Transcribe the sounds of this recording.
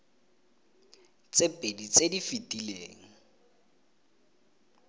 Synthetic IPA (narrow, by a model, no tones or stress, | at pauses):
t͡sepʼedit͡sedifitʼileːŋ̩